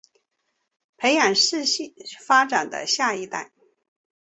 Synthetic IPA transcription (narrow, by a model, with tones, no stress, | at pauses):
pʰe˧˥ɪja˨˩nʂɻ̩˥˧ɕi˥˩fa˥ʈ͡ʂa˨˩nd̪ə̰˦ɕja˥˩i˥˧t̪a˥˩ɪ